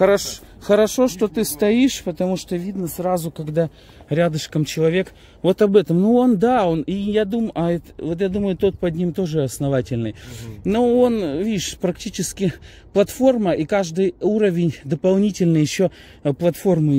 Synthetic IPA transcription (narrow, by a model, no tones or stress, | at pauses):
xəɾɐʂ | xəɾɐʂo̞ʂt̪o̞t̪ɨst̪ɐiʂpət̪ɐmuʂt̪ovʲid̪nəsɾazʊkɐɡd̪a | ɾʲad̪ɨʂkəmt͡ɕɪlˠɐvʲe̞k | vo̞t̪ɐbɛt̪əmnuo̞nd̪ao̞nijad̪umʔɐɛt̪vo̞t̪jad̪uməjʊt̪o̞t̪̚pɐdʲnʲimt̪o̞ʐɨɐsnɐvatʲɪlʲnɨjnoo̞nvʲiɪʂpɾɐktʲit͡ɕɪskʲɪ | plˠɐt̪fo̞rməʔikaʐd̪ɨjuɾəvʲɪnʲd̪əpɐlˠnʲitʲɪlʲnɨjɪɕːo | plˠɐt̪fo̞rmɨ